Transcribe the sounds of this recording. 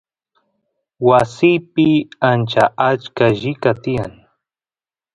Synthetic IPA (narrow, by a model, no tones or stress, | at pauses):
wasijpɪant͡ʃaʔat͡ʃkaʒɪkat̪ɪjaŋ